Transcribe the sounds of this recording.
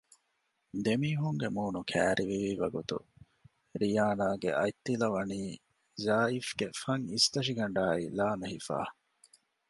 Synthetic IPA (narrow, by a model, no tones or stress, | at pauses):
d̪emiːɦuŋɡemuːnukʰæːɾʔiʋiʋiʋɐɡut̪ṵ | ɾijaːnaːɡḛʔɐjt̪ːilɐʋɐniː | zaːifɡ̥efɐŋist̪ɐʃ̬iɡɐɳɖaːilaːnɐɦifa̰ː